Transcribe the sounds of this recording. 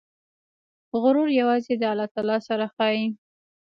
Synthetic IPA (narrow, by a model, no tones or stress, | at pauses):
ɣʊɾʊɾjawɑzed̪əalɑt̪ɑlɑsaɾaxɑi